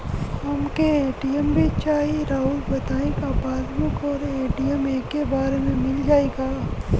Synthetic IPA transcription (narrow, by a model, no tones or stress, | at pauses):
ɦɐmkeeːʈiəmbʱit͡ʃaːɦiɾaːuːlbɐt̪aːẽkapaːlmʊkɔːɾeːʈijəmeːkːebaːɾemẽmɪld͡ʒaːeɡaː